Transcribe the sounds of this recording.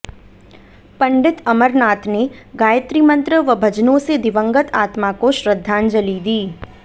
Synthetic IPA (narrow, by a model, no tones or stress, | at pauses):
pɐ̃ɳɖɪt̪ɐməɾnaːt̪ʰneɡaːjət̪ɾimə̃nt̪ɾəʋɐbʱɐd͡ʒnõsed̪ɪʋə̃ŋɡət̪ʰaːt̪makoʃɾəd̪ʱːaːnd͡ʒɐlid̪iː